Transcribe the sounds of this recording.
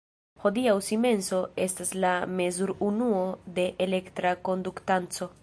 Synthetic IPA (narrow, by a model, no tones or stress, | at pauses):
ho̞diawsime̞nso̞e̞staslame̞zuɾunuo̞de̞ʔele̞ktɾako̞nduktant͡so̞